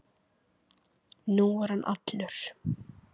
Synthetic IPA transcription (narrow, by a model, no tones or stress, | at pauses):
nuvaɾ̥hanʔa̰t̪nʏɾ̥